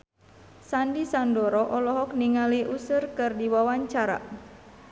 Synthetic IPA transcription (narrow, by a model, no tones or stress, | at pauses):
sandisandɔɾɔʔɔlɔɦɔk̚niŋaliʔusɨrkɨrdiwawaɲt͡ʃaɾa̰